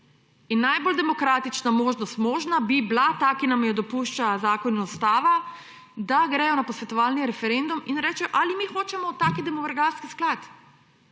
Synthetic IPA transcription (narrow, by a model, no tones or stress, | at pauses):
inːajbold̪ɛmɔkɾaːt̪it͡ʃnamoːʒnɔst̪moːʒnabiblat̪aːkinamjɛd̪ɔpuːʃt͡ʃazaːkɔnɔst̪aːʋa | d̪aɡɾɛːjɔnapɔsʋɛt̪ɔʋaːlniɾɛfɛɾend̪uminɾɛːt͡ʃɛjɔʔaːlimixoːt͡ʃɛmɔt̪aːkid̪ɛmɔʋɛɾɡaɾskisklat̪